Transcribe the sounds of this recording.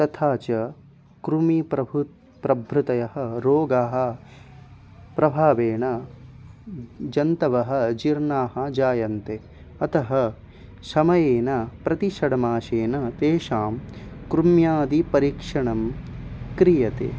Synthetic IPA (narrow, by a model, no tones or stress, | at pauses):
t̪ɐt̪ʰaːt͡ʃɐ | kɾumipɾɐbʱu | pɾɐbʱɾut̪ɐjɐɦɐ̆ɾoːɡaːɦɐ̆ | pɾɐbʱaːʋeːɳɐ | d͡ʒɐnt̪ɐʋɐɦɐ̆d͡ʒiɾɳaːɦɐ̆d͡ʒaːjɐnt̪e | ɐt̪ɐɦɐ | sɐmɐjeːnɐpɾɐt̪iʃɐɽɐmaːʃeːnɐt̪eːʂaːmkɾumjaːd̪ipɐɾiːkʂɐɳɐmkɾijɐt̪ḛː